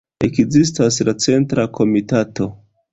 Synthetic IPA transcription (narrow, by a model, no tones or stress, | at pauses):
ekzis̬tas̬lat͡se̞ntɾakʰo̞mitato̞